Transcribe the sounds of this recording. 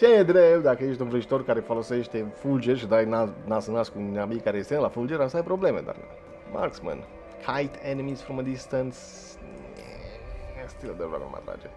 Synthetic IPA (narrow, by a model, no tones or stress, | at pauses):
t͡ʃejed̪ɾebd̪akəjeʃt̪ʲunvɾəʒit̪o̞rkaɾefolose̞ʃt̪efuld͡ʒeʃid̪ananasənaskuabikaɾeest̪enəlafuld͡ʒeɾamsajpɾo̞ble̞med̪a̰r | ma̰rksmə̰n | kʰajt̪ʰenimiz̥fɾoməd̪ist̪əns | est̪iləd̪ova̰nṵm̰a̰t̪ɾa̰d͡ʒe